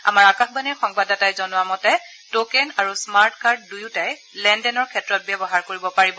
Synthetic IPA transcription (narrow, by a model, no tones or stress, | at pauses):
a̰maɹakaxbanɛɹxɔŋbadatajzɔnʊamɔtɛ | tokɛnaɹusmaɹtkaɹt̚dujʊtaj | lɛndɛnɔɹkʰɛtɹɔt̚bjɛbɔɦaɹkoɹibɔpaɹibɔ